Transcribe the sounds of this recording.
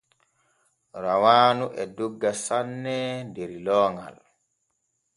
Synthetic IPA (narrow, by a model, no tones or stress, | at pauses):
ɾawaːnuʔɛduɡːasanːɛdeɾilɔːŋɡa̰l